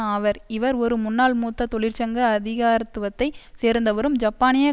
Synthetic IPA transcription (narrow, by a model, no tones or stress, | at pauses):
ɐʋɐɾɪʋɐɾɔɾɯmʊnːaːɭmuːt̪ːɐt̪ɔɭɪɾt͡ʃɐŋɡɐːðɪɣaːɾɐt̪ːɯʋɐt̪ːɐɪseːɾnd̪ɐʋɐɾɯmd͡ʒɐpːaːnɪjɐ